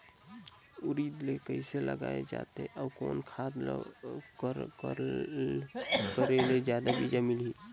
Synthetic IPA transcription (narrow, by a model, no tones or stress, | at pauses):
ʊɾid̪lekəɪselə̰ɡa̰ːed͡ʒa̰ːt̪eɛʔɔːɾkɔ̰ːnkʰaːd̪l | kəɾeled͡ʒjaːd̪abʱid͡ʒamilɦiː